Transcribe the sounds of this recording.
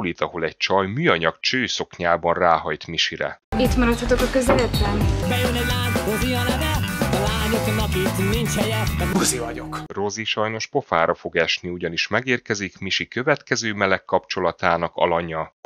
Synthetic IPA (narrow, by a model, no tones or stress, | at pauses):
lit̪ɒho̞lɛc̚t͡ʃɒjmyːɒɲɒkt͡ʃøːjso̞kɲaːbɒnraːɦɒjt̪miʃiɾɛ̰it̪mɒɾɒt̪ːot̪okɒkøzɛlɛt̪ːɛnbɛjønɛɟlaːnɾoziɒnad̪ɛɒlaːɲoknɒpit̪nint͡ʃhɛjɛɛuzivɒɟokro̞ziʃɒjno̞ʃpo̞faːɾɒfo̞ɡɛʃniuɟɒniʃmɛɡeːrkɛzikmiʃikø̞vɛt̪kɛzøːmɛlɛkːɒpt͡ʃo̞lɒt̪aːnɒkɒ̰lɒɲɒ